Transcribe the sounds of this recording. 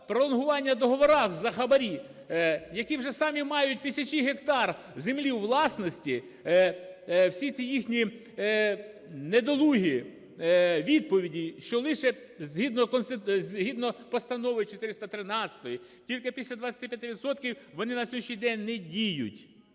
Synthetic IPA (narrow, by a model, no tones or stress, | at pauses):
pɾɔlˠɔnɦʊʋɑnʲːɐd̪ɔɦɔʋɔɾɑxzɐxɐbɐɾʲi | jɐkʲiwʒɛsɑmʲimɑjʊt̚ʲt̪ɪsʲɐt͡ʃiɦekt̪ɑr | zemlʲiwʋlˠɑsnɔsʲtʲi | wsʲit͡sʲijixnʲi | ned̪ɔlˠuɦi | ʋʲid̪̚pɔʋʲidʲiʃt͡ʃɔlˠɪʃɛ | zʲɦid̪nɔkɔnst̪ɪzʲɦid̪nɔpɔst̪ɐnɔʋɪt͡ʃet̪ɪɾɪst̪ɐt̪ɾɪnɑt͡sʲɐ̥t̪ɔji | tʲilʲkɪpʲisʲlʲɐd̪ʋɐt͡sʲɐt̪ipʲjɐt̪ɪʋʲid̪sɔt̪kʲiwʋɔnɪnɐsʲɔjʃt͡ʃʲijd̪ɛnʲnɛdʲijʊ̰tʲ